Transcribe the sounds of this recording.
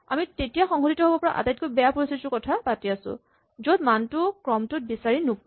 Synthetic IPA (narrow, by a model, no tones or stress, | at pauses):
a̰mitetijaxɔŋɦoditɔɦobɔpɔɹa̰ʔa̰tajt̚kojbɛjapuɹisisʊkɔtʰapatiasʊ̰̃ | zodmantʊkɹɔmtʊt̚bisaɹinu